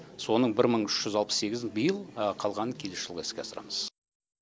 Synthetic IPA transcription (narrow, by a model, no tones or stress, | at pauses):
so̞nəɴbɪɾməɴʏʃʒ̥ʏzɑlˠpə̥sse̞ɡʲɪzbəjəlˠqʰɑlˠʁɑnəkʲʰe̞lesʒ̥əlˠʁɑɪskʲeɑsəɾɑ̰məz̥